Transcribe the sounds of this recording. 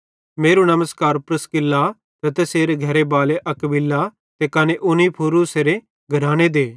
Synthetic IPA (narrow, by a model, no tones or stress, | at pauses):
meːɾunɐməskaːɾpɾɐskɪlːa | t̪ɐt̪eseːɾeɡʱɐɾebaːleʔɐkbɪlːa | t̪ekɐneʔʊnipʰoːɾuseɾe | ɡʱɐɾaːɽ̃ed̪eː